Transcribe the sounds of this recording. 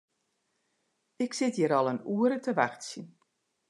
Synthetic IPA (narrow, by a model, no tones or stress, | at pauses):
ɪksɪtjəɾɔlˠənuəɾətəʋaxtsin